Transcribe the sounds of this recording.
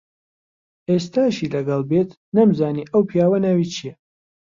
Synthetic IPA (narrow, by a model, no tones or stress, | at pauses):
ʔeːst̪aːʃilɐɡɐlˠbet̪ʰ | nɐmzaːniːʔɐwpʰijaːwɐnawiːt͡ʃʰijɛ